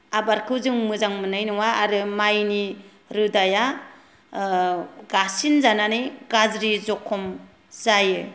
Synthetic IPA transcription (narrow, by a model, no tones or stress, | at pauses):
abaɾkʰɯwzɯŋmɯzaŋmɯnajnɔwaːɾɯmajni | ɾɯdaja | ɡasinzananɯjɡazɾizɔkʰɔm | zajɯ